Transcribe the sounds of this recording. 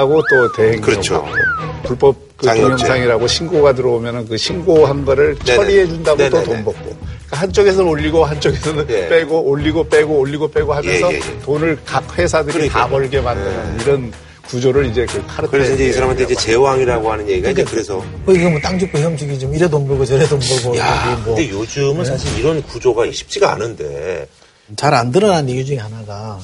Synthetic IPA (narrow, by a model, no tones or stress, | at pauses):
ɡot͈ote̞he̞ŋkɯɾʌʌʌ̰k͈o̰puɭp͈ʌp̚k͈ɯoŋjʌŋsʰaŋiɾaɡoɕʰinɡoɡat̬ɯɾʌomjʌnɯnkɯɕʰinɡoɦanɡʌɾɯɭt͡ɕʰʌɾie̞d͡ʑundaɡototombʌk̚k͈ok͈ahant͡ɕ͈oɡe̞sʰʌoʎːiɡoɦant͡ɕ͈oɡesʰʌnnp͈eɡoʔoʎːiɡop͈eɡooʎːiɡopeɡoɦamjʌnjsʰʌ̰tonɯɭkak̚ɸwe̞sʰadɯɾitabʌɭɡe̞mandɯnɯniɾʌn | kud͡ʑoɾɯɾid͡ʑe̞kɯkʰaɾɯtkɯɾeʌind͡ʑeisʰaɾamantʰeid͡ʑe̞t͡ɕe̞waŋiɾaɡoɦanɯnjeɡiɡaind͡ʑekɯɾe̞sʰʌ | koiɡʌmwʌt͈aŋd͡ʑɯk͈oiʌmd͡ʑiɡit͡ɕomiɾedombʌɡot͡ɕeɾedomʌɡoaemwɯʌdejod͡ʑɯmɯnsʰaɕʰiɾiɾʌnkud͡ʑoɡaiɕʰi̥p̚t͡ɕ͈ʰiɡaa̰nɯnde̞ | t͡ɕaɾandɯɾʌnanjeɡud͡ʑuŋihanaɡa